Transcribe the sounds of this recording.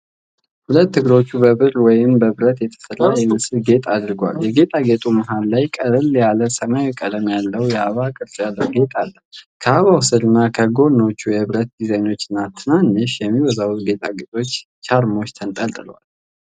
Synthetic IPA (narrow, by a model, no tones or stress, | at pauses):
hulət̪ːɨɡɨɾo̞t͡ʃːubəβɨɾwɔjɪmbəβɨɾət̪jɛt̪ʰə̥səlːaɛmɨsɨlɡe̞t̪ʼad̪ɾɨɡʷa̰ljɛɡe̞t̪ʼaɡe̞t̪ʼumaɦallajkʼəɾɨljaləsəmajɛkʼːəd̪əmjalːəwjɛaβakʼɨɾsjalːəwɡe̞t̪ʼalːəkʰəaβawsɨd̪ɨnːakʰəɡo̞no̞t͡ʃːujɛβɾət̪̚d̪izajno̞t͡ʃːɨnːat̪ʰɨnanːəʃjɛmːiwɔzawuɡe̞t̪ʼaɡet̪ʼo̞t͡ʃː | t͡ʃʰaɾmo̞t͡ʃːt̪ʰənt̪ʼəlt̪ʼɨlwa̰l